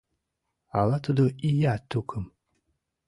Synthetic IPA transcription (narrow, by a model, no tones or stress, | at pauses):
a̰lat̪ʰud̪oijat̪ʰukʰɨm